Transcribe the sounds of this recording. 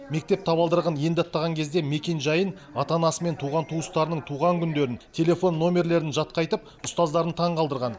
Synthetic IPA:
me̞k̚t̪e̞p̚t̪ʰɑbɑlˠd̪əɾʁənje̞nd̪ɪɑt̪ːɑʁɑŋkʲʰe̞zd̪e̞me̞kʲe̞nʒɑjən | ɑt̪ɑnɑsəme̞nt̪ʰuʁɑnt̪ʰuəst̪ɑɾənəɴt̪ʰuʁɑŋkʲʰʏnd̪e̞ɾɪnt̪ʲʰe̞le̞fo̞nːo̞mʲe̞ɾle̞ɾɪnʒɑt̪̚qɑjt̪əp̚ | ʊst̪ɑzd̪ɑɾənt̪ʰɑɴqʰɑlˠd̪əɾʁɑn

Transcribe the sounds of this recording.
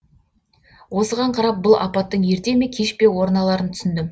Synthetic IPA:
wo̞səʁɑɴqʰɑɾɑp̚bʊlˠɑ̰pɑt̪ːəɴje̞ɾt̪e̞me̞kʲʰe̞ʃpe̞wo̞ɾnɑlˠɑɾənt̪ʰʏ̥sɪnd̪ɪm

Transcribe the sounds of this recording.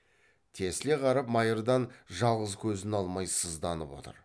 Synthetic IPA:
t̪ʰe̞sle̞qʰɑɾɑpmɑjəɾd̪ɑnʒɑlˠʁəzkʲʰɵzɪnɑlˠmɑjsəzd̪ɑnəpwo̞̰t̪ə̰ɾ

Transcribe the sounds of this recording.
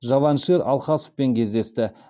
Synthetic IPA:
ʒɑvɑnʃeɾɑ̰lˠχɑsofpe̞ŋkʲʰe̞zd̪e̞st̪ɪ

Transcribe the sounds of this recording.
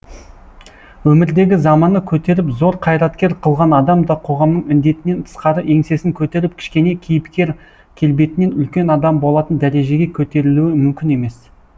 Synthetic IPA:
wɵmɪɾd̪e̞ɡʲɪzɑmɑnəkʲʰɵt̪e̞ɾɪpzo̞ɾqʰɑjɾɑt̪kʲe̞ɾqʰəlˠʁɑnɑd̪ɑmd̪ɑqʰo̞ʁɑmnəɴmɪnd̪e̞t̪ɪne̞nt̪ʰə̥sqɑɾəʔe̞ŋse̞sɪŋkʲʰɵt̪e̞ɾɪp̚kʲʰɪ̥ʃkʲe̞ne̞kʲʰijɪpkʲe̞ɾ | kʲʰe̞lbe̞t̪ɪne̞nʏlkʲe̞nɑd̪ɑmbo̞lˠɑt̪ənd̪æɾe̞ʒe̞ɡʲe̞kʲʰɵt̪e̞ɾɪluɪmʏmkʲɪne̞me̞s

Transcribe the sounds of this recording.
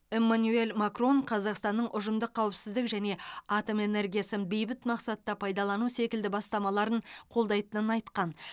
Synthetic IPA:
e̞mːanue̞lmakro̞ɴqʰɑzɑqst̪ɑnːəɴʔʊʒəmd̪əqʰːɑwɪpsɪzd̪ɪkʒæne̞ɑt̪o̞me̞ne̞ɾɡʲijasənbe̞jbɪt̪mɑqsɑt̪ːɑpʰɑjd̪ɑlˠɑnuse̞kʲɪld̪ɪbɑst̪ɑmɑlˠɑɾəɴqʰo̞lˠd̪ɑjt̪ənənɑjt̪qɑn

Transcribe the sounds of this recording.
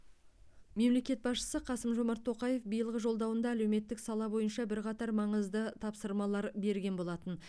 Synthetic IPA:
me̞mle̞kʲe̞t̪̚bɑsʃə̥səqʰɑsəmʒo̞mɑɾt̪ʰːo̞qɑje̞fbijəlˠʁəʒo̞lˠd̪ɑwənd̪ɑːlewme̞t̪ːɪksɑlˠɑbo̞jənʃɑbɪɾqɑt̪ɑɾmɑɴəzd̪ət̪ʰɑpsəɾmɑlˠɑɾbe̞ɾɡʲe̞nbo̞lˠɑt̪ən

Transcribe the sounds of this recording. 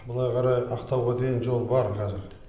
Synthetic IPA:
bʊlˠɑjqʰɑɾɑjɑqt̪ɑwʁɑd̪eɡʲɪnʒo̞lˠbɑɾqʰɑzɪɾ

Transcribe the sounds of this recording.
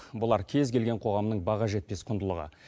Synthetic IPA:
bʊlˠɑɾkʲʰe̞zkʲʰe̞lɡʲe̞ɴqʰo̞ʁɑmnəɴbɑʁɑʒe̞t̪̚pe̞sqʰʊnd̪əlˠəʁə̰

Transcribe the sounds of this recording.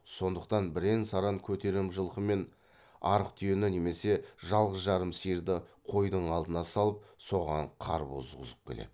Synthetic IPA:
so̞nd̪əqt̪ɑnbɪɾe̞nsɑɾɑŋkʲʰɵt̪e̞ɾɪmʒəlˠqəme̞n | ɑɾəqt̪ʰʏjenɪne̞me̞se̞ʒɑlˠʁəsʒɑɾəmsijɾd̪ɪqʰo̞jd̪əɴɑlˠd̪ənɑsɑlˠəp̚so̞ʁɑɴqʰɑ̰ɾpo̰zʁəzəp̚kʲʰe̞lḛd̪ɪɪ

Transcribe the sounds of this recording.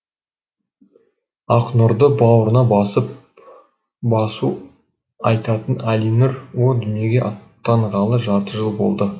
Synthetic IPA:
ɑqnʊɾd̪əbɑwɾənɑbɑsəp | bɑsu | ɑjt̪ɑt̪ənælinɪɾwo̞d̪ʏnje̞ɡʲe̞ʔɑt̪ːɑɴʁɑlˠəʒɑɾt̪əʒəlˠbo̞̰lˠd̪ə

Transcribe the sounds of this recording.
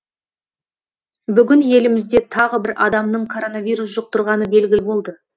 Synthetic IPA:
bʏɡʲɪnje̞lɪmɪzd̪e̞t̪ʰɑʁəbɪɾʔɑd̪ɑmnəɴkʰo̞ɾo̞navʲijɾus̬ʒoq̚t̪əɾʁɑnəbe̞lɡʲɪlɪbo̞lˠd̪ə

